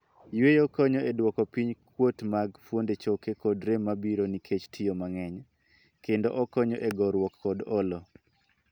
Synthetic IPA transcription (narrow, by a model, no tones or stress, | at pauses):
jwejɔkɔɲɔʔedwɔkɔpiɲkwotmaɡfwondet͡ʃokekɔdɾemːabiɾonikʰet͡ʃtʰijomaŋɛɲ | kendoʔɔkɔɲɔʔeɡɔɾwɔkːɔdɔlɔ